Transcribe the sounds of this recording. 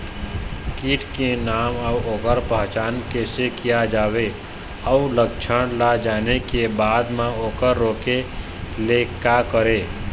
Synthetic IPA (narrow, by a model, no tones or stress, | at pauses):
kiːʈʰkenaːməuoːkəɾpəɦt͡ʃaːnkesekijad͡ʒaːwe | əʊləkt͡ʃʰəɽ̃lad͡ʒaːnekebaːd̪mãoːkəɾːoːke | lekakəɾeː